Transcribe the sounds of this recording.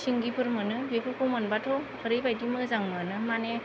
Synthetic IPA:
siŋɡipʰɯɾmɯnɯbepʰɯkʰomɯnbatʰɔ | ɯɾɯjbajtimɯzaŋmɯnɯmane

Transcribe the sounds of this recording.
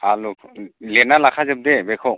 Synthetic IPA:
aluklɛnalakʰazɛb̚dɛbɛkʰɔ

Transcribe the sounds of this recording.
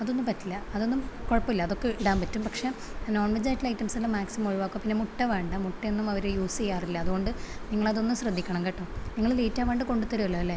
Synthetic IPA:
ɐðonːupɐtːilːɐɐðo̞nːumkoɻɐpːilːɐːðo̞kːe̞iɽaːmpɐtːumpɐkʂe̞no̞ːɳʋɐɲd͡ʑaːjitːilɐjtːɐmsɐlːɐmaːksimɐmoɻuʋaːkːupinːe̞muʈːɐʋeːɳɖɐmuʈːɐenːumɐʋɐɾujuːsijaːrilːɐːðuɣo̞ɳɖɨniŋːɐɭɐðo̞nːumɕrɐd̪ːikʲːɐɳɐmkɐʈːɐmniŋːɐɭliːtːaːʋeːɳɖɨko̞ɳɖut̪ːɐɾuʋɐlːɐʋɐlːe

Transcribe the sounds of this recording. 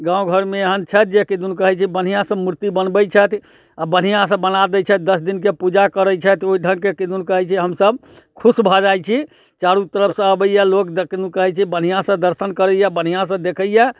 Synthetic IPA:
ɡãũɡʱəɾmeeɦənt͡ʃʰɛt̪̚d͡ʒekid̪unkəɦɛt͡ʃʰibən̤ijãsə̃muɾt̪ibənbət͡ʃʰɛt̪ʰ | abən̤ijãsə̃bənad̪ɛt͡ʃʰɛt̪̚d̪əsd̪inkepud͡ʒakəɾət͡ʃʰɛt̪ʰoiɖʱənkekid̪unkəɦɛt͡ʃʰiɦəmsəbkʰusbʱɔd͡ʒajt͡ʃʰi | t͡ʃaɾut̪əɾəpʰsə̃əbəjjɛlokd̪ekid̪unkəɦɛt͡ʃʰibən̤ijãsə̃d̪əɾsənkəɾəjjɛbən̤ijãsə̃d̪ekʰəjjɛ

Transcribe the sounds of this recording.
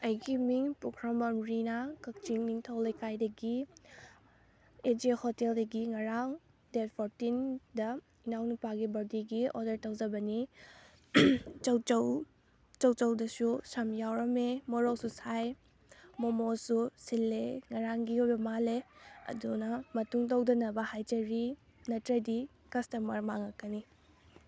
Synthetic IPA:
ɐjɡimiŋpukʰɾamɐmɾinakɐk̚t͡ʃiŋniŋtʰɐwlekajdɐɡi | ed͡ʒehɔteldɐɡiŋɐɾaŋ | det̚pʰoɾtindɐ | inawnupaɡibɐɾdiɡiɔ̰dɐɾtɐwzɐbɐni | t͡ʃɐwt͡ʃɐw | t͡ʃɐwt͡ʃɐwdɐsusɐmjawɾɐmemoɾowsusaj | momosusilːeŋɐɾaŋɡiujbɐmaleɐ̰dunɐmɐtuŋt̬ɐwdɐnɐbɐhajtɐɾi | nɐtɾɐdi | kɐstɐmɐɾmaŋɐkɐni

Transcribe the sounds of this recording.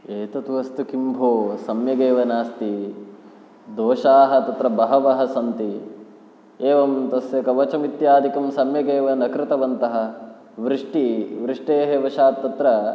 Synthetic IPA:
eːt̪ɐt̪uʋɐst̪ukimbʱoːsɐmjɐɡeːʋɐnaːst̪i | d̪oːʃaːɦɐ̆t̪ɐt̪ɾɐbɐɦɐʋɐɦɐsɐnt̪i | eːʋɐmt̪ɐsjɐkɐʋɐt͡ʃɐmit̪jaːd̪ʱikɐmsɐmjɐɡeːʋɐnɐkɾɪt̪ɐʋɐnt̪ɐɦɐ̆ | ʋɾɪʂʈiʋɾɪʂʈeːɦeʋɐʃaːt̪ːɐt̪ɾɐ

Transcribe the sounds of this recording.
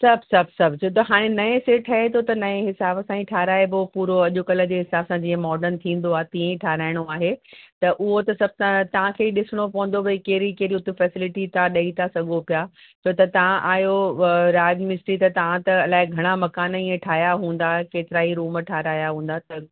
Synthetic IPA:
sɐbsɐb̚ʱsɐbʱt͡ɕʰot̪ɐɦaːɽ̃enɐẽseʈʰɐɦẽt̪ʰot̪ɐnɐẽɦɪsaːbsãːĩʈʰaːɦɾaːebopuːɾoɐʄʊkɐlə̆d͡ʑeːɦɪsaːbsãd͡ʑĩːẽmɔːɾɖənt̪ʰĩːn̆d̪oaːɦet̪ĩːẽĩʈʰaːɾaːɪɽ̃oaːɦet̪ɐʔʊɦot̪ɐsɐb̚t̪ãt̪ɐʋ̤ãkʰeːɗɪsɪɽ̃opɐ̃ɦʊ̃n̆d̪obɐikeːɾikeːɾiʊt̪ufɛːsɪlɪʈit̪aɗɐit̪ʰasɐɠʱopijaː | t͡ɕʰot̪ɐt̪ɐʋ̤ãʔaːɦjoɾaːd͡ʑmɪsʈɾit̪ɐt̪ɐʋãt̪ɐɐlaːɪɡʱɐɽ̃amɐkaːnĩːẽʈʰaːɦjaɦũːn̆d̪akeːt̪ɪɾaːɦiɾuːmʈʰaːɾaːjaɦũːn̆d̪at̪ɐ

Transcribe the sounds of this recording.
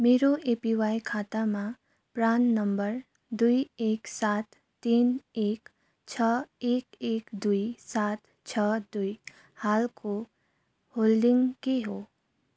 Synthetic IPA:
meːɾoeːpiʋaːikʰaːt̪amã | pɾaːnːəmbəɾ | d̪uieːksaːt̪ː | iːneːk | t͡ʃʰəeːkeːkd̪uisaːt̪ | t͡ʃʰəd̪ui | haːlko | hoːlɖɪ̃ŋɡkeɦo

